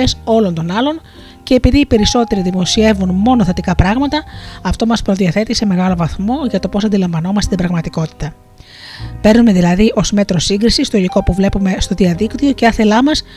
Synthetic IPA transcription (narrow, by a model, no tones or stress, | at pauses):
eso̞lo̞nt̪o̞nɐlo̞n | ce̞ːpiðiːpe̞ɾiso̞t̪e̞ɾiðimo̞sie̞vunmo̞no̞θe̞t̪ikɐpɾɐɣmɐt̪ɐɐft̪o̞mɐspɾo̞ðiɐθe̞t̪ise̞me̞ɣɐlo̞vɐθmo̞ʝɐt̪o̞po̞sɐnd̪ilɐɱvɐno̞mɐst̪et̪ibɾɐɣmɐt̪iko̞t̪i̥t̪ɐ | pe̞ɾnume̞ðilɐðiʔo̞zme̞t̪ɾo̞siŋɡɾisist̪o̞iliko̞puvle̞pume̞st̪o̞ðiɐðikt̪io̞ceɐθe̞lɐmɐs